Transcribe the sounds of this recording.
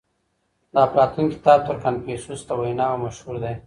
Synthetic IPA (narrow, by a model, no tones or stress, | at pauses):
d̪ɑːpɾɑt̪unkɪ̥t̪ɑb̚t̪əɾkanpesust̪awajnɑamaʃhuɾd̪ej